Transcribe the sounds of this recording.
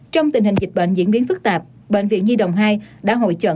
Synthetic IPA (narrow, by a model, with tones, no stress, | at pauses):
t͡ɕɔ˧wŋ͡mt̪i˨˩ŋ̟hï˨˩ŋ̟zi˨˩k̟̚ɓə̰˧˨ŋ̟zḭ˧˥ənɓi˨˦ənfɨ˦˥k̚t̪aː˨˩p̚ | ɓḛ˧˨ŋ̟vḭ˧˨ənzi˧ɗə˧˨˩wŋ͡mɦaː˧jɗa̰ː˧˥ɦo̰˧˨jt͡ɕə̰˧˨